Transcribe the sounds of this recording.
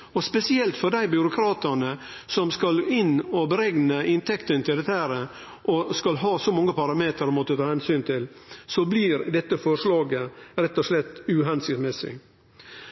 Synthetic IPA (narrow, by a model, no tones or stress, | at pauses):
ɔspɛsɪɛlt̪fɔd̪æɪbʏɾʊkʰɾɑːt̪ənə | sɔmskɑlɪnːɔbəɾɛɡnəɪnt̪ʰɛkt̪ənt̪ɪlɛt̪ːhæɾə | ʔɔskɑlɦɑːsɔmɑŋːəpɑɾɑmeːt̪əɾmɔt̪ːət̪ʰɑːhɛnsyːnt̪ʰɪlsɔblɪɾd̪ɛt̪ːəfɔʂlɑːɡəɾɛt̪ːɔʂlɛt̪ːʉɦɛnsɪt̪mɛsɪ̰